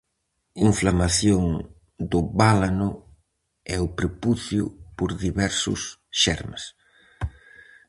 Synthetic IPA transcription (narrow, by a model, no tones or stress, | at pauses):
iɱflamaθjoŋ | d̪ʊβalanʊ | ɛʊpɾepuθjʊ̰poɾðiβɛɾsʊ̰sʃɛ̰ɾmes